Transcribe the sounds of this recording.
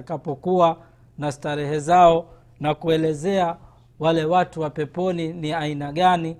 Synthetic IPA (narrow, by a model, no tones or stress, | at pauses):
akapɔkua | nastaɾɛhɛzaɔ | nakuɛlɛzɛa | walɛwatuwapɛpɔniniainaɠani